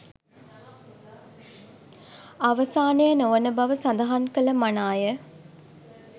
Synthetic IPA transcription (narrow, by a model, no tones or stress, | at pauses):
aʋəsaːnejənoʋənəbɐʋəsand̪aɦaŋkələmanaːjə